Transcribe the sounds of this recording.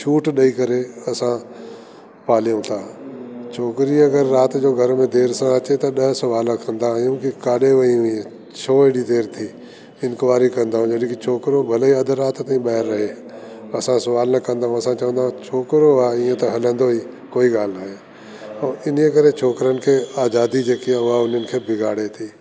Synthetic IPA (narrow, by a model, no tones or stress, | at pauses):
t͡ʃʰuːʈɗɐikɐɾeɐsã | paːlijũt̪ʰãːt͡ɕʰoːkɾiɐɡəɾːaːt̪d͡ʑoːɡʱɐɾmẽd̪eːɾsãɐt͡ɕet̪ɐɗɐɦsɐʋaːlãkʰɐ̃nd̪aɦjũkikaːɗeʋɐĩiẽ | t͡ɕʰoːeɽid̪eːɾt̪ʰiː | ɪ̃nkʋaːɾikɐ̃nd̪aːɦũd͡ʑɐɗ̃kit͡ʃʰoːkɾõbʱɐləiɐd̪ʱɾːaːt̪t̪ːĩɓɐɦɪɾːɐɦe | ɐsãsɐʋaːlnɐkɐ̃nd̪aːɦũɐsãːt͡ʃɐʋə̃nd̪aɦũt͡ʃʰoːkɾoaːɪːẽt̪ɐɦɐlə̃nd̪oːɦiː | koːiːɡaːlnaːɦeː | əːɪn̤ijẽkɐɾet͡ʃʰoːkɾənɪ̆kʰeːaːzaːd̪id͡ʒeːkiãʊɦaʊn̤ənɪ̆kʰeːbʱɪɡʱaːɽet̪ʰiː